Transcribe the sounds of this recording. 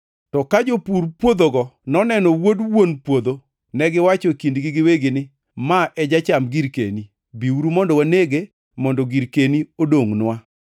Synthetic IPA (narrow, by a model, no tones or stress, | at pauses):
tɔkad͡ʒopuɾpwod̪oɡɔnɔnɛnɔwodwonpwod̪o | nɛɡɪwat͡ʃokindɡɪɡɪweɡɪnɪ | maʔɛd͡ʒat͡ʃamɡiɾkḛni | biuɾumɔndɔwaneɡe | mɔndɔɡiɾkeniodoŋnwa